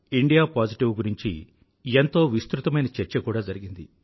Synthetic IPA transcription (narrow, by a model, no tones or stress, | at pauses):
iɳɖijaːpaːd͡ʒiʈiʋɡuɾiɲt͡ʃḭ | ent̪o̞ːʋist̪ɾut̪ɐmɐjnɐt͡ʃɛɾt͡ʃɐkuːɽaːd͡ʒɐɾiɡind̪i